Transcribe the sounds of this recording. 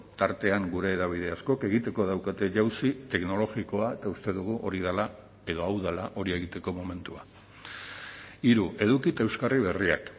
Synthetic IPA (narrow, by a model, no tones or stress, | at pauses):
t̪aɾt̪e̞aŋɡuɾe̞ːðaβ̞ið̞e̞asko̞ke̞ɣ̞it̪e̞ko̞ð̞awkat̪e̞ʝawsit̪e̞kno̞lo̞ɣiko̞ae̞t̪aust̪e̞ðuɣ̞uʔo̞ɾið̞ala | e̞ðo̞awðalaʔo̞ɾie̞ɣit̪e̞ko̞mo̞me̞nt̪ua | iɾuʔe̞ðukit̪aewskariβ̞e̞ria̰k